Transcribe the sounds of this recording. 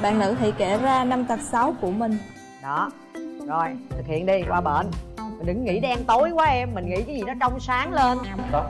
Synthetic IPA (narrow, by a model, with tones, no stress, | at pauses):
ɓa̰ː˧˨nlɨ̰˧˥t̪ḭ˧˩jkɛ˧˩zaː˧na˧mt̪ə˨˩t̚sa˨˦wku˧˩əmï˨˩ŋ̟ | ɗɔ˨˦ | zɔ˨˩jt̪ʰɨ˨˩k̚hḭ˧˨ənɗi˧kwaː˧ɓə̰ː˧˩nmi˨˩ŋ̟ɗɨ̰˧˨˦ŋːḭ˧˥ɗɛ˧nt̪o˨˦jkwaː˨˦ʔɛ˧mːï˨˩ŋ̟ŋḭ˧˥kaː˨˦jzi˨˩nɔ˨˦t͡ɕɔ˧wŋ͡msaː˨˦ŋle˧n˦